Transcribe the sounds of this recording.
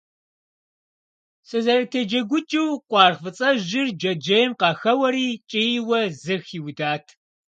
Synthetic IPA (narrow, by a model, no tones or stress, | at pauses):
sʼɨzɐɾɐtʰeːd͡ʒɐɡʷʊt͡ʃʼɪwqʷɑːrfɨt͡sʼɐʒɪrd͡ʒɐd͡ʒɐjɛmqɑːxɐwɐɾiːt͡ʃʼɪjwɐzɨxiːwdaːtʰ